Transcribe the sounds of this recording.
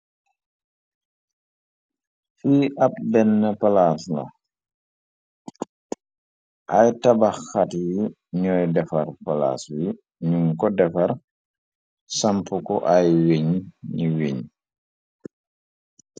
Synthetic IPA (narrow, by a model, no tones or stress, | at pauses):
fiːʔɐp̚bɛnːəpalaslɐ̰ | ʔajtabaxatji | ɲɔjdɛfɐrpala̰ːswi | ɲumkɔdɛfɐɾ | sampukɔʔajweɲɲiweɲ